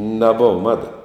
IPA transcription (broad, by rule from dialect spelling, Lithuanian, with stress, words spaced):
nʲɛˈbʊʋɐ ˈmɑːdɐ